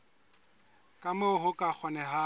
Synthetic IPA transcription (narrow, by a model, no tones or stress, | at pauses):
kʼamoɦʊkʼak͡xʰɔnɛɦa